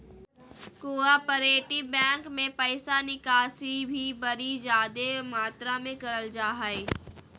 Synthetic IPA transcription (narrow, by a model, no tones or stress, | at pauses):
koːapəɾeːʈibɛ̃ːŋkmẽpəɪsanɪkaːsibʱibɐɾid͡ʒaːd̪emaːt̪ɾamẽkɐɾəld͡ʒaːɦaeː